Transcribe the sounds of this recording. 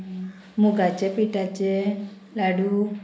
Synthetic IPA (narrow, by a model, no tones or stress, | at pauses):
muɡat͡ʃepiʈat͡ʃe | laɖu